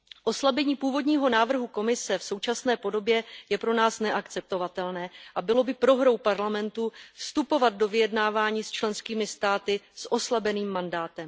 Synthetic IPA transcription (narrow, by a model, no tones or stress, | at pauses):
ʔo̞slabɛɲiːpuːvo̞dɲiːɦo̞naːvr̩ɦuko̞mɪsɛfso̞wt͡ʃasnɛːpo̞do̞bjɛjɛpɾo̞naːsnɛʔakt͡sɛp̚t̪o̞vat̪ɛlnɛːʔabɪlo̞bɪpɾo̞ɦɾo̞wpaɾlamɛnt̪ufst̪upo̞vat̪̚do̞vɪjɛdnaːvaːɲiːst͡ʃlɛnskiːmɪst̪aːt̪ɪsʔo̞slabɛniːmːandaːt̪ɛm